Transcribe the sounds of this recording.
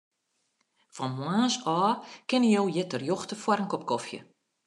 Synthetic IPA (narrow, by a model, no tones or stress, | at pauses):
fɔnmwaːsɔːkɪnəjowjɪtərjoxtəfwaɾəŋkɔp̚kɔfjə̰